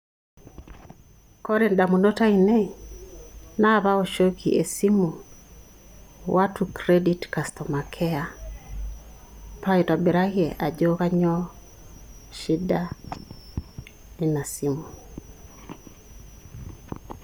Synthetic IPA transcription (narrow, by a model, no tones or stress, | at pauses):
kɔɾɛndamunɔtainɛ | naβaoʃokʰiʔesimu | wʔatukɾeditkastɔmakʰɛa | paitabɛɾahiɛʔad͡ʒokaɲɔ | ʃida | inasimu